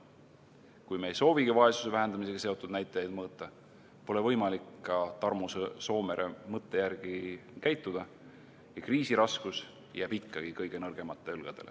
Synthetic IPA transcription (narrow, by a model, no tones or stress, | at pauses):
kujmeejso̞ːviɡ̥ivɑe̞su̥sevæɦe̞nd̪ɑmise̞ɡ̥ɑse̞o̞t̪ːˑud̪̥næjt̪ːˑɑjɑjd̪mɤːt̪ːˑɑ | po̞le̞vɤjmɑlikːɑt̪ɑrmusso̞ːme̞ɾʔemɤt̪ːe̞jæɾɡ̥ikæjt̪ːˑud̪̥ɑ | jɑkriːsiɾɑskus | jæːb̥ikːɑɡ̥ikɤjɡ̥e̞nɤrɡ̥e̞mɑt̪ˑːeylɡ̥ɑd̪̥e̞̰lḛ